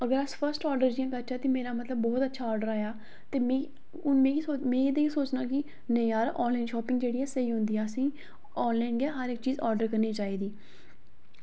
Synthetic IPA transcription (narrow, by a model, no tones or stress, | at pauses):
əɡəɾəspʰəɾsʈɔːɾɖəɾd͡ʒɪjãːkəɾt͡ʃʰaːt̪imeːɾaːmət̪ləbːɔːt̪ətːʃʰaːɔːɾɖəɾaːjaː | t̪eːmẽ | ʊnmẽːisoːmɛ̃ːid̪eĩːsoːt͡ʃnaːkɪ | nəĩaːɾʔɔːnlaːɪnʃɔːpɪ̃ŋɡd͡ʒeːɽiːɛːsəiːɦʊ̃nd̪iːɛːəsĩː | ɔːnlaːɪnɡɛːɦəɾɪkt͡ʃiːzɔːɾɖəɾkəɾniːt͡ʃaːiːd̪iː